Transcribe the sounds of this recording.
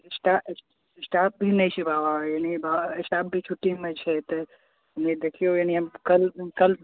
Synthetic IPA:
sʈas | sʈaːp̚bʱinɐĩt͡ʃʰibʱaːʋajanibʱaɪsʈaːp̚bʱit͡ʃʰuʈːimẽt͡ʃʰet̪ɐ | nid̪ekʰijojaniɐmkɐlkɐl

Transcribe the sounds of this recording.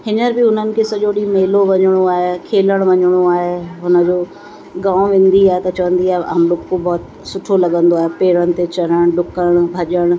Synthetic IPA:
ɦɪnəɾbɪɦʊn̤ənɪ̆kʰeːsɐʄoɗimeːloʋɐɲɽ̃oaːɦekʰeːləɽ̃ʋɐɲɽ̃oaːɦeɦʊnə̆d͡ʑoː | ɡãːʊ̃ʋẽːnd̪iaːɦet̪ɐt͡ɕɐʋə̃nd̪iaːɦeɐɦɐmloːkkobɔːt̪ | sʊʈʰolɐɠə̃nd̪oaːɦepeːɾənɪ̆t̪et͡ɕɐɾəɽ̃ɖʊkəɽ̃bʱɐʄəɽ̃

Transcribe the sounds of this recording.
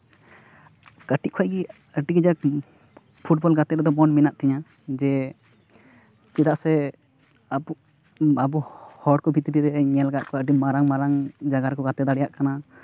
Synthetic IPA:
kəʈiʔ̚kʰɔjɡi | əʈiɡid͡ʒak̚ | pʰuʈ̚bɔlɡat̪ɛɾɛd̪ɔmɔnminaʔt̪ʰɛɲa | d͡ʒɛ | t͡ʃidaʔsɛ | ab | abɔhɔɽ̚kɔbʱit̪əɾiɾɛɲɛlɡaʔkɔəʈimaɾaŋmaɾaŋd͡ʒaɡaɾkɔɡat̪ɛd̪aɽɛjaʔkana

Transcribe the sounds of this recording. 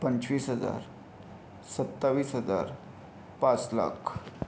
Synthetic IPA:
pəɲt͡ɕʋiːsɦəd͡za̰ɾ | sət̪ːaʋiːsɦəd͡za̰ɾ | pat͡sla̰kʰ

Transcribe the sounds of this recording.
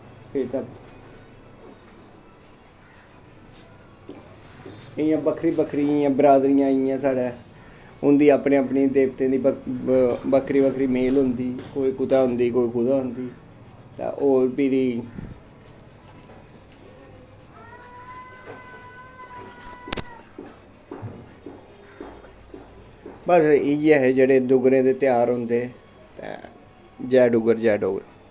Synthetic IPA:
pʰɪɾt̪a | ɪjãːbəkʰɾiːbəkʰɾiãːbəɾaːd̪ɾijãːɪjãːsaːɽeː | ʊnd̪iːaːpnẽːaːpniːd̪eːbt̪ẽːd̪iː | bəkʰɾiːbəkʰɾiːmeːlɦʊnd̪iːkoːiːkʊt̪aːɦʊnd̪iːkoːiːkʊd̪aːɦʊnd̪iː | t̪ã̰ːʔoːɾpiɾiː | bəsiːd͡ʒɛɦeːd͡ʒeːɽeːd̪ʊɡɾẽːd̪eːt̪ɪjaːɾɦʊ̃nd̪eː | t̪ɛ̰̃ː | d͡ʒɛːɖʊɡəɾd͡ʒɛːɖoːɡɾ

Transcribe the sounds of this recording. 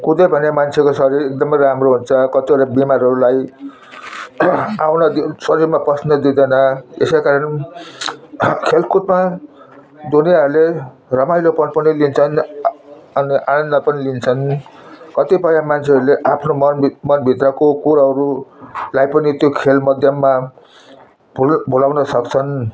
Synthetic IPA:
kud̪ʌbʱʌnemant͡sʰekosʌɾiɾek̚d̪ʌmʌjramroɦunt͡sʰʌkʌt̪iʌɾabimaɾʌɾulaj | awnʌd̪isʌɾiɾmaprʌsnʌd̪id̪ʌnʌḛskakaɾʌn | kʰelkut̪ma | d̪unijaʌɾule | rʌmajlopʌnpʌnilint͡sʰʌn | ʌniʔanʌnd̪apʌnilint͡sʰʌnkʌt̪ipʌjamant͡sʰeʌɾuleʔapʰnomʌnmʌnbʱit̪rʌkokuɾaɦʌɾulajpʌnit̪jokʰelmʌd̪ʱjʌmːa | bʱbʱulawnʌsʌkt͡sʰʌn

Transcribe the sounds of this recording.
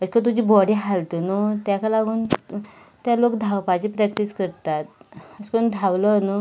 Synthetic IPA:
əd͡ʑkat̪̬ud͡ʑiːbɔɽiɦalt̪onot̪jakalaɡuːn | t̪jalokd̪ʱawpad͡ʑiːpɾɛk̚ʈiskəɾt̪at̪̚əskond̪ʱawlənu

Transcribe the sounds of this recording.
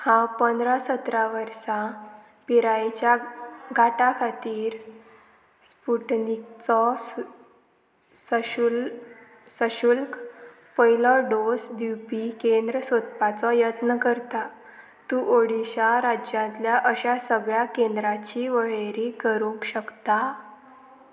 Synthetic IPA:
hãpənd̪ɾasət̪ɾaʋəɾsa | piɾajet͡ɕjaɡʱaʈakʰat̪iːɾ | spuʈnik̚t͡sɔs | səul | səɕulk | pəilɔɖosd̪iwpikend̪ɾəsot̪pat͡sɔjət̪nəkəɾt̪a | t̪uʔoɽiɕaɾad͡ʑjãnt̪ljaʔəɕasəɡɭjakend̪ɾat͡ɕiːʋəɭeɾikəɾukɕəkt̪a

